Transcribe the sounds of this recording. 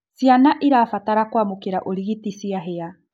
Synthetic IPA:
sianaʔiɾaːfataɾakwamokeɾaʔoɾiɣitisiaɦea

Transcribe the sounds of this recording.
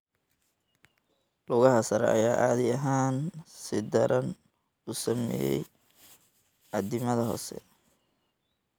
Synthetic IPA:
lʊɣɐɦɐsɐɾɛ̰ɐjaːʔaːðɪɐɦaːnsɪd̪ɐɾʔɐn | usɐmɛ̰ːjɛ̰j | ɐd̪ɪmɐðɐɦɔ̰ːsɛ̰

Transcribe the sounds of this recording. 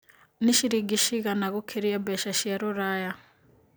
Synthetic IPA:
niʃiɾiɡiʃiɣanaɣokʰeɾiabɛʃaʃiaɾoɾaja

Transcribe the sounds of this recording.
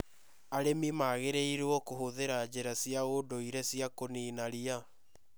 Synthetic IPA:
aɾemimaːɣeɾeiɾeɔkoɦoðeɾad͡ʑeɾasiaodoiɾɛsiakoniːnaɾia

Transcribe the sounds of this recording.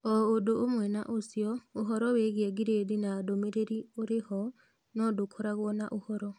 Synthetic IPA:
oːdoːmwɛna̰ʔosjɔoɦɔɾɔweɣjeɡiɾedinadomeɾeɾioɾehɔ | nɔdokʰɔɾaɣwɔna̰ʔohɔɾɔ

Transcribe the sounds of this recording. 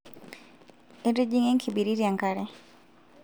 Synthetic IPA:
eded͡ʒiŋeŋkʰibiɾiɾjaŋkaɾɛ

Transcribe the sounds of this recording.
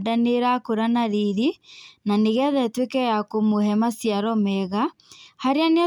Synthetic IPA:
daneɾakoɾanaɾiɾinaneɣɛðɛtwekɛjakomohɛmasjaɾɔmɛɣa | haɾeanea

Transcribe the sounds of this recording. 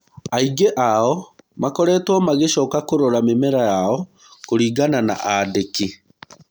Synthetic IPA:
aiɡeʔaɔmakɔɾɛːtɔmaɣeɕɔːkakoɾoɾamemɛɾajaɔ | koɾiːɡanana̰ʔadeki

